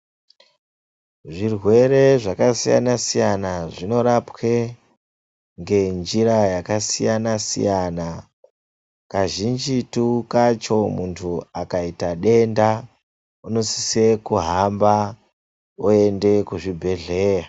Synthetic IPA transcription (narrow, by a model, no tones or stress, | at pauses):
ʐirwe̞ɾe̞ʐakasija̰nasijanaʐino̞ɾapwe̞ | ŋɡe̞nd͡ʒiɾajakasijanasḭjana | kaʒind͡ʒitukat͡ʃo̞muntʰuakaitaɗe̞nda | uno̞si̥sekuɦamba | oe̞nde̞kuʐibʱe̞ɮe̞ːja